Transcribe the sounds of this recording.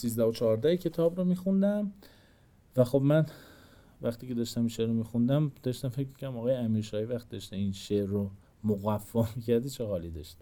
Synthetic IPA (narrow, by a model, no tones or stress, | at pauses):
siːzd̪æhot͡ʃʰɒɦːɾd̪æhecʰe̞t̪ʰɒːbɾomiːxund̪æm | væxo̞bmæn | væxt̪iːcʰe̞d̪ɒːʃt̪æminʃeɾomiːxund̪æmd̪̥ɒʃt̪æmfe̞cmi̥kcʰæɾd̪æmɒːɣɒːjeæmiːɾʃɒːhivæxt̪id̪ɒʃt̪einʃeɾːo | moɣæfːɒmicʰæɾd̪it͡ʃʰeɣɒːlid̪ɒʃt̪